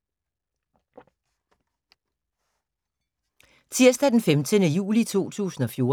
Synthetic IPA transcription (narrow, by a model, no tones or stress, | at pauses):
t͡sʰiɐ̰sd̥æd̥enfemd̥ʰənəjṵːlit͡sʰo̝̰ːt͡sʰṵːsn̩ɒ̽fjo̝ː